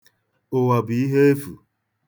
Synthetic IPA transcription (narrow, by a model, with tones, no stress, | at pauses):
o˨wa˨bi˨i˦ɦe˦e˦fṵ˨